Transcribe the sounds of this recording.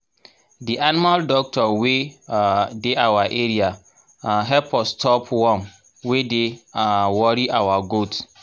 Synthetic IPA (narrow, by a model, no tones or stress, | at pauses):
diʔanimaldɔk̚tʰɔwe | deʔawaʔeɾia | ɦɛpɔstʰɔpʰwɔ̃m | wedeawɔɾiʔawaɡot